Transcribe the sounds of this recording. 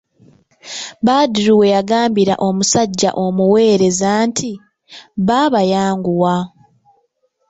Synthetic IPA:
βaːdiɾuwe̞jaɡaːmbiɾa̰ʔo̞musaɟːa̰ʔo̞muwe̞ːɾe̞zantʰi | βaβajaːŋɡuwa

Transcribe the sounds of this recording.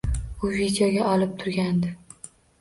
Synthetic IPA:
ʊvid̪joɡʲaʔɒlɪp̚t̪ʰʊɾɡʲand̪ɪ

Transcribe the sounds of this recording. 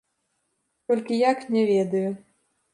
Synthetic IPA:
t̪ɔlʲkʲijaknʲɛvʲɛd̪ɐju

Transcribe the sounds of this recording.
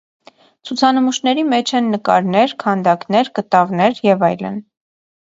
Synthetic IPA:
t͡sʰut͡sʰɑnəmuʃnɛɾimɛt͡ʃʰɛnːəkɑ̰ɾnɛɾkʰɑnd̪ɑknɛɾkət̪ɑvnɛɾjɛvɑjlə̰n

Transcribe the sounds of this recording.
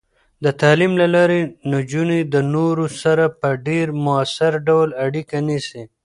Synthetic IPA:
d̪ət̪ɑlimlalɑɾenad͡ʒuned̪ənoɾosaɾapəɖeɾmʊasɪɾɖawlaɽikanisi

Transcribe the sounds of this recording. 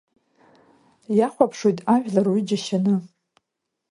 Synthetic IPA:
jaχʷapʰʂojtʼaʒᶣlarwid͡ʒaʃanɨ

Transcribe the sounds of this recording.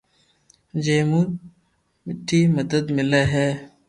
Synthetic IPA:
d͡ʒeːmuː | mɪʈʰːiːməd̪əd̪mɪleːɦɛː

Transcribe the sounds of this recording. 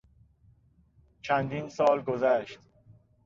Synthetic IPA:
t͡ʃʰænd̪iːnsɒːlɡozæʃt̪

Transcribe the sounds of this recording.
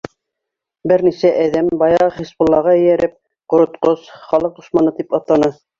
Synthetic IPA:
bɘɾnisæʔæðæmbɑjɑʁχispŏlˠːɑʁɑɘ̆jæɾɘp̚ | qŏɾŏt̪qosχɑlˠɤq̚d̪ŏʃmɑnɤt̪ipɑt̪ːɑnɤ

